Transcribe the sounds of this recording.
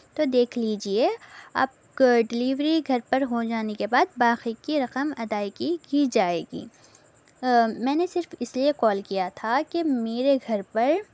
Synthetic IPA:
t̪od̪eːkʰliːd͡ʒiea̰ːp̚ | ɖɪliːʋɾiɡʱɐɾpɐɾɦod͡ʒaːnekebaːd̪̚baːxikiɾɐqəmɐd̪aːikiɡid͡ʒaːeːɡḭː | mɛ̃ːnesɪɾfɪsliekɔːlkijat̪ʰakemeːɾeɡʱɐɾpɐɾ

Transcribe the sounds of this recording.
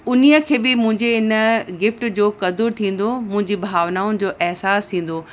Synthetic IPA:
ʊnijəkʰeːbɪmʊ̃ɦɪ̃ɲd͡ʑeɪnəɡɪfʈd͡ʑoːkɐd̪ʊɾt̪ʰĩːn̆d̪omʊ̃ɦɪ̃ɲd͡ʑibʱaːʋnaːʊnɪ̆d͡ʑoːʔɛɦsaːst̪ʰĩːn̆d̪oː

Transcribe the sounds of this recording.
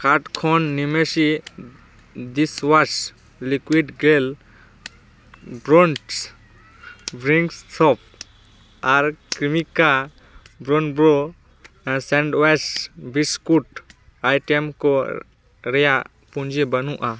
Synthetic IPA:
kaɾʈkʰɔnːimesi | d̪iswas | likwiɖɡel | bɾɔnʈs | bɾiŋɡstʰɔp̚ | aɾkɾimika | bɾɔnbɾo | sɛ̃ɳɖwɛsbʱiskuʈ | ajʈɛmkɔ | ɾɛja | pũnd͡ʒebɐnuʔa

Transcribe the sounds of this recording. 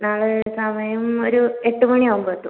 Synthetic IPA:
naːɭɨsɐmɐjɐmoɾueʈːumɐɳiaːɣumboet̪ːu

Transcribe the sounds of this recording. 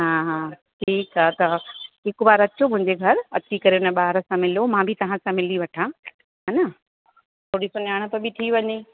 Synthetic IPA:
ɦãːɦãː | ʈʰiːkaːt̪ɐɦɪkbaːɾɐt͡ɕomʊ̃ɦɪ̃ɲd͡ʑeɡʱɐɾɐt͡ɕikɐɾenəɓaːɾə̆sãmɪlomãːbʱit̪ɐʋ̤ãsãmɪliʋɐʈʰãː | ɦanɐ | t̪ʰoːɽisonaːɽ̃ə̆t̪ɐbʱɪt̪ʰiːʋɐɲe

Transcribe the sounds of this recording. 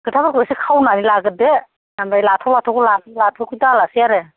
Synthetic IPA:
ɡ̥ɯtʰabaɾkɔsikʰawnanilaɡɯde | ambajlatʰɔwlatʰɔkulatʰlatʰɔkudalasijaɾe

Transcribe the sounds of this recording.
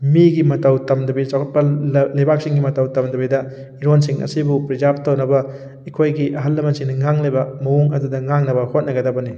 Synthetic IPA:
miɡimɐtɐwtɐmdɐbisakʰɐt̚pɐlebak̚siŋɡimɐtɐwtɐmdɐbidɐ | iɾonsiŋɐ̰sibupɾizab̚tawnɐbɐ | ikʰojɡiʔɐɦɐlːɐmɐnsiŋnɐŋaŋlebɐmɐwuŋɐdudɐŋaŋnɐbɐhot̚nɐɡɐdɐbɐni

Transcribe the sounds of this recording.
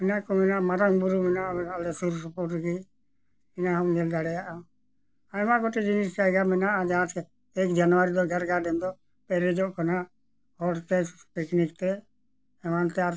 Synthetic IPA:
ɛnakɔmɛnaʔmaɾaŋbuɾumɛnaʔbɛnalɛsuɾsɔpɔɾʈɡi | ɛnaɦɔmd͡ʒɛld̪aɽɛjaʔa | aɛmaɡɔʈɛd͡ʒinis̬t͡ʃajɡamɛnaʔad͡ʒat̪kɛ | ɛkd͡ʒanwaɾid̪ɔɡʱɛɾɡaɖɛnd̪ɔ | pɛɾɛd͡ʒɔʔkana | hɔɖt̪ɛspiknikt̪ɛ | ɛmant̪ɛaɾ

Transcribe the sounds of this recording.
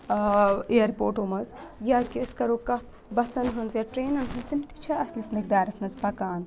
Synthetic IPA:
eːɾpoːʈoːmɐzjakiskɐɾoːkɐt̪ʰ | bɐsɐnɦɐnzjɐʈɾeːnɐnɦɨnt̪imt̪i̥t͡ʃʰɐɐslismɐk̚d̪aːɾɐsmɐzpɐkaːn

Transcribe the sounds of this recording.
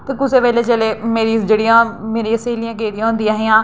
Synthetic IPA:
t̪ɐkʊsepɛːlet͡ʃeːlemeːɾid͡ʒeːɽiãːmeːɾĩɐseːlijãːk̬eːɾijãːɦʊ̃nd̪iaːɦijãː

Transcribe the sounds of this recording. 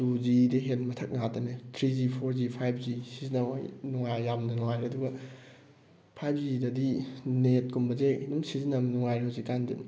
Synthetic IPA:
tuzidiɦenmɐtʰɐk̚natɐnetʰɾizipʰoɾzipʰajp̚ʰzisizinɐ̰jnuŋajːamnɐnuŋajɾeɐduɡɐ | pʰajp̚ʰzidɐdinet̚kumbɐzenumsizinamnuŋajɾɦawzikandin

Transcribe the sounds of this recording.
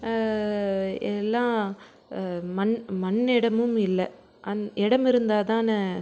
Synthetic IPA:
ɛlːãː | mɐnmɐnːɪɽɐmɯmɪlːɛ | ʔɐnɪɽɐmɪɾɯnd̪aːðãːnɯ

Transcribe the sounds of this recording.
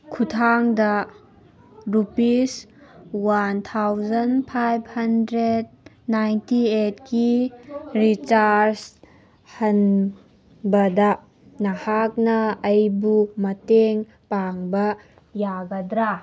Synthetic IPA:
kʰutʰaŋdɐ | ɾupiswant̪ʰawzɐnpʰajb̚hɐndɾed̚ | najntietki | ɾit͡ʃaɾs | hɐn | bɐdɐ | nahak̚nɐːjbumɐteŋ | paŋbɐ | jaɡɐdɾa

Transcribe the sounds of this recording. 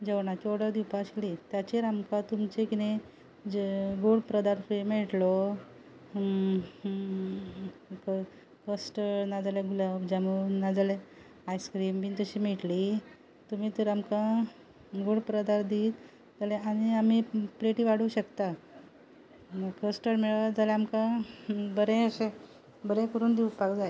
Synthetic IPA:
d͡ʑəʋɳat͡ɕoɽəɾd̪iwpaɕlit̪jat͡ɕeɾamkãt̪umt͡ɕekine | ɡoɽpɾəd̪aɾfɾemeʈlɔ | k | kəsʈənad͡zaljaɡʱulabd͡ʑamunad͡zala | ajskɾimbint̪əɕiːmiʈli | t̪umiːt̪əɾamkã | ɡoɽpɾəd̪aɾd̪iːt̪ | d͡zalẽaɽ̃iamipɾeʈiːʋaɽuːɕəkt̪a | kəsʈəɾmeɭʋad͡zalɛamkãbəɾẽəse | bəɾɛ̃kəɾuːnd̪iupakd͡zaj

